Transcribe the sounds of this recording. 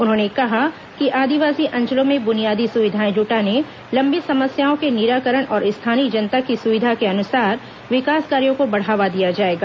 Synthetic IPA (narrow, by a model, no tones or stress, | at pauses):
ʊnɦõːnekɐɦa | kiʔaːd̪iʋaːsiʔɐ̃ɲd͡ʒəlõmẽbʊnijaːd̪isʊʋɪd̪ʱaːẽd͡ʒuːʈane | lɐ̃mbʱisɐməsjaːõkenɪɾaːkəɾəɽ̃ʔɔːɾɪst̪ʰaːnid͡ʒɐnt̪akisʊʋɪd̪ʱakeɐnʊsaːɾ | ʋɪkaːskaːɾijõkobɐɽ̤aːʋad̪ijad͡ʒaːeːɡaː